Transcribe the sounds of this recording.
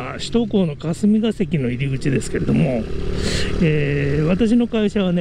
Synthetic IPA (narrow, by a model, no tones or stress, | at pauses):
ɕi̥t̪o̞ko̞ːno̞kasɨmʲiɡase̞kʲino̞iɾʲiɡɯ̟t͡ɕid̪e̞sɨ̥ke̞ɾe̞d̪o̞mo̞ | eːβ̞at̪aɕ̬ino̞kaiɕaβ̞ane